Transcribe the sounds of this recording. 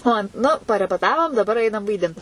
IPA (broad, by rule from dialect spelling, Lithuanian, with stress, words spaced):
ˈoː ˈnʊ pɐrʲɛpʲɛˈtɑːʋoːm dɐˈbɐr ˈɐɪnɐm ʋɐɪˈdʲɪnt